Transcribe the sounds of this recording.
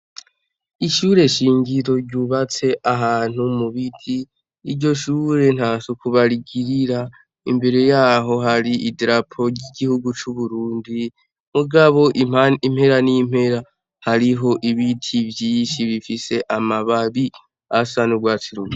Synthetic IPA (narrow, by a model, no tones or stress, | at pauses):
iʃuːɾe̞ʃiːŋɟiɾo̞ɾɟuβat͡se̞ʔaɦaːn̥humuβitʰiː | ɾɟo̞ʃuːɾe̞n̥haːsukuβaɾiɡiɾiɾa | ḭmbe̞ɾe̞jaːɦo̞ɦaɾiʔidɾapʰo̞ɾɟiɡihuɡut͡ʃuβuɾuːndi | muɡaβo̞ʔim̥he̞ɾanim̥he̞ɾa | haɾiɦo̞ʔiβitʰivjiːnʃiβifise̞ʔamaβaβi | asanuɡwaːt͡siɾuɡi